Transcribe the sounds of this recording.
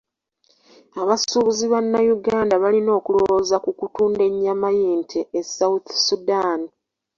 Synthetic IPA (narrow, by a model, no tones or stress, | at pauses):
aβasuβuziβanːajuɡaːndaβalino̞ːkulo̞wo̞ːzakukutuːnde̞ɲːamajiːntʰeesawuθsudaːni